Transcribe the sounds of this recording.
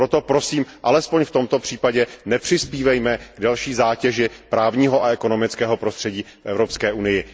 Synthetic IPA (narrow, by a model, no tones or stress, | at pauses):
ɾot̪o̞pɾo̞siːmʔalɛspo̞ɲft̪o̞mt̪o̞pr̝̥iːpaɟɛnɛpr̥ɪspiːvɛjmɛɡ̥dalʃiːzaːcɛʒɪpɾaːvɲiːɦo̞ʔaɛko̞no̞mɪt͡skɛːɦo̞pɾost̪r̥ɛɟiːfʔɛ̰vɾo̞pskɛːʔunɪjɪ